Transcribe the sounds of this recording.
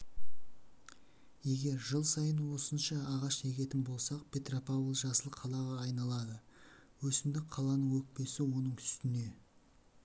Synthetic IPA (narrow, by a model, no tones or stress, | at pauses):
je̞ɡʲe̞ɾʒəlˠsɑjənwo̞sənʃɑːʁɑʃne̞kʲe̞t̪ɪnbo̞lˠsɑq̚pʲʰe̞t̪ropavəlˠʒɑsəlˠqʰɑlˠɑʁɑːɑjnɑlˠɑd̪əwɵsɪmd̪ɪk̚qʰɑlˠɑnəɴwɵk̚pe̞sɪwo̞nəɴtʰʏ̥st̪ɪne̞